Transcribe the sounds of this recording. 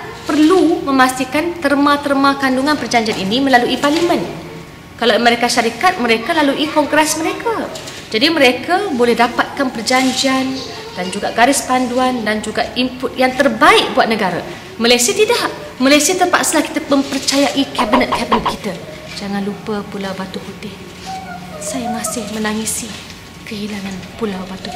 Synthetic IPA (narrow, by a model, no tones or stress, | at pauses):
pərlumə̃mast̪ikant̪ərmãt̪ərmãkanduŋanpərd͡ʒaɲd͡ʒianinimə̃laluʔiparlimə̃n | kalaməɾekaʃaɾikat̪̚mə̃ɾekalaluʔikɔŋɡɾɛsməɾekʰa | d͡ʒadimə̃ɾekabolɛhdapat̪̚kanpərd͡ʒaɲd͡ʒian | d̥and͡ʒuɡaʔɡaɾɪspanduandand͡ʒuɡaʔimpʊt̪̚jaŋt̪ərbaɪk̚buat̪̚nəɡaɾa̰ | malajsiat̪idah | malajsiat̪əmpa̰ʔsəlahki̥t̪aməmpərt͡ʃajaʔikɛbinət̪̚kɛbinət̪̚kit̪a | d͡ʒaŋanlupəpulawbat̪uput̪ɪh | sajamasɪhmə̃naŋisi | kəɦilaŋanpulawbat̪u